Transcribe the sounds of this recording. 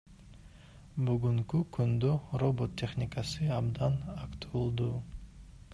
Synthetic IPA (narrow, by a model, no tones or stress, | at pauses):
byɡyŋkykynd̪øro̞bo̞t̪ʲːe̞χnʲɪkasɯɑbd̪ɑnɑkt̪uulˠd̪u